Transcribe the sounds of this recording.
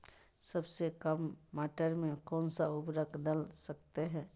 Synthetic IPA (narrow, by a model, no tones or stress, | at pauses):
səbsekəmːaːʈəɾmẽkɔːnsaupɾəkʰd̪əlsəkt̪eɦɛ̃